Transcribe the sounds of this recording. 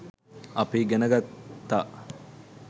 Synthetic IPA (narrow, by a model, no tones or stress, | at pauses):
apiɡenəɡat̪ːaː